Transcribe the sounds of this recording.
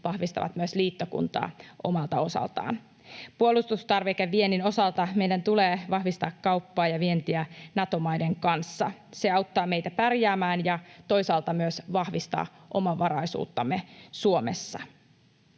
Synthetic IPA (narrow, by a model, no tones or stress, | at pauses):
ʋɑhʋist̪ɑ̰ʋɑ̰t̪myøsliːt̪ːokṵnt̪ɑ̰ːʔo̞̰mɑlt̪ɑo̞sɑ̰lt̪ɑ̰ːn | puolust̪ust̪ɑrʋekeʋʋie̞nːino̞sɑlt̪ɑmejdænt̪uleːʋɑhʋist̪ɑːkːɑupːɑːjɑʋie̞nt̪iænɑt̪o̞mɑjde̞ŋkɑnsːɑ̰seɑwt̪ːɑːme̞jt̪æpærjæːmæːnjɑt̪o̞jsɑːlt̪ɑmyøsʋɑhʋist̪ɑ̰ː | ʔo̞mɑʋɑɾɑjsṵːt̪ːɑmːesuomḛsːɑ̰